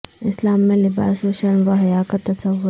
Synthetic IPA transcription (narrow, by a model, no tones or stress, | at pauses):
ɪslaːmːẽlɪba̰ːsoʃɐɾmʋaɦɐjaːkat̪ɐsɐʋːʊ